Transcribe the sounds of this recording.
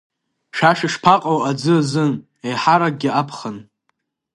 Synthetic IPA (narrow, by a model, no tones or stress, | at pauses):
ʂaʂɪʂpʰaqʼowad͡zɨzɨn | ejħaɾaɡ̚ɡʲɪʔapʰχən